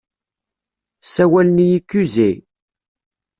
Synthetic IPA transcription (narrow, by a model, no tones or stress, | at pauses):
sːæwælnijikːuzej